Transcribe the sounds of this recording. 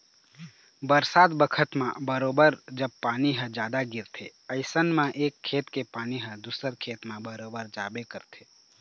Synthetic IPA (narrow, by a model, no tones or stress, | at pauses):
bəɾsaːt̪bəkʰət̪mã̰bəɾoːbəɾd͡ʒəb̚paːniɦə̃d͡ʒjaːd̪aɡɪɾt̪ʰḛəɪsənmãʔeːkʰːeːt̪kepaːniɦə̃d̪usəɾkʰeːt̪mẽbəɾoːbəɾd͡ʒaːbekəɾt̪ʰeː